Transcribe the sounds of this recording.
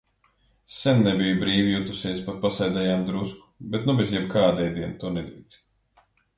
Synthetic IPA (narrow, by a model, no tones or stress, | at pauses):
sɛnːɛbijubɾiːvijut̪usiɛspat̪̚pasɛjd̪ɛjaːmd̪ɾusku̥bet̪nubezjɛbkaːd̪ɛjd̪iɛnt̪unɛd̪ɾiːkst̪